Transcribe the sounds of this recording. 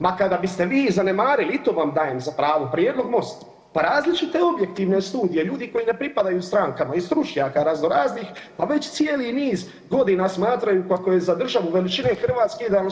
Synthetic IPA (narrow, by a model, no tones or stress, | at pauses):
makad̪abist̪e̞ʋiːzane̞maːɾiliit̪oːʋamd̪aːjemzapɾaːʋopɾjed̪lo̞ɡmo̞st̪a | paɾaːzlit͡ʃit̪e̞o̞bje̞k̚t̪iːʋne̞st̪uːd̪ijeʎuːd̪iko̞jine̞pɾipad̪ajust̪ɾaŋkamaist̪ɾut͡ʃɲaːkaɾazno̞ɾaːznixpaʋe̞t͡ɕt̪sijeliniːz | ɡo̞d̪inasmaːt̪ɾajukako̞je̞zad̪r̩ʒaʋuʋe̞lit͡ʃine̞xr̩ʋaːt̪skeid̪a